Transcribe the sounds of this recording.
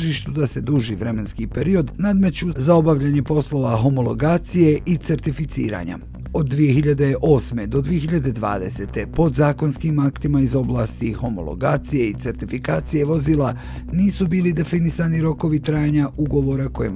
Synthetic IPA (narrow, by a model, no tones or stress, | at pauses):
ʒiːʃt̪ud̪ase̞d̪uʒiʋɾe̞me̞nskipe̞ɾio̞d̪nad̪me̞t͡ɕuzao̞baʋʎaɲe̞po̞slˠo̞ʋaɦo̞molˠo̞̰ɡaːt̪sije̞ʔit̪se̞ɾt̪ifit̪sḭːɾa̰ɲa̰ | o̞d̪ːʋije̞xiʎad̪e̞ʔo̞ːsme̞d̪o̞d̪ʋije̞xiʎad̪e̞d̪ʋa̰ːd̪e̞se̞t̪e̞po̞d̪zaːko̞nskimakt̪imaizo̞blaːst̪iho̞mo̞̰lˠo̰ɡaːt̪sije̞it̪se̞ɾt̪ifikaːt̪sije̞ʋo̞ziːlˠa | niːsubiːlid̪e̞finisaniɾo̞ko̞ʋit̪ɾaːjaɲauɡo̞ʋo̞ɾako̞jḛm